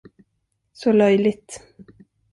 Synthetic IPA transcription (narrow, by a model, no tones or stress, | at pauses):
sɔlœjlɪt̪